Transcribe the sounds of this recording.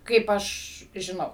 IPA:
ˈkɐɪp ˈɐʃ ʒʲɪˈnɐʊ

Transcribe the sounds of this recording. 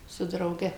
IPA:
sʊ drɐʊˈɡʲɛ

